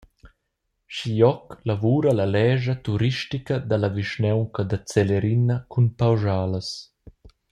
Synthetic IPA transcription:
ʃijɔklavuːɾalalɛːʒat̪uɾiʃtikad̪alaviʃnɛwŋkad̪at͡sɛleɾinɐkʰunpawʒaːləs

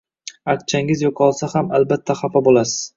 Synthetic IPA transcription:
akt͡ʃʰaŋɪzjoqʰɒlˠsahamalbat̪ʰːaχapabolasɪ̥z̥

